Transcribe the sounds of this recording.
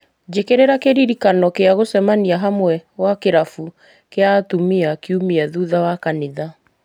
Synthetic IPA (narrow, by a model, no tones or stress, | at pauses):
d͡ʒekeɾeɾakeɾiɾikanɔkeaɣosɛmaniaɦamwɛwakeɾafu | keatumiakiumiaðuðawakaniða